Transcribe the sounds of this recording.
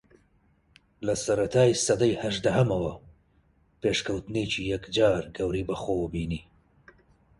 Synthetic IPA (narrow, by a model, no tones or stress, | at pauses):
lasaɾat̪ʰɑːjsɐd̪ajhaʒd̪aɦamawɐ | peːʃkɐwt̪net͡ʃijakd͡ʒɑːɾɡɐwɾibaxowəbiːni